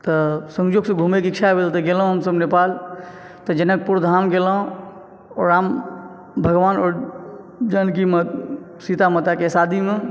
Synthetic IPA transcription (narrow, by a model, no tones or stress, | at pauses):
t̪əsə̃ŋd͡ʒoɡsə̃ɡʱumekikt͡ʃʰabʱelt̪əɡelɦõɦəmsəbnepal | t̪əd͡ʒənək̚puɾd̪ʱamɡelə̃ | ɔɾam | bʱəɡʋanɔːɾ | d͡ʒənkim | sit̪amət̪akesad̪ʱime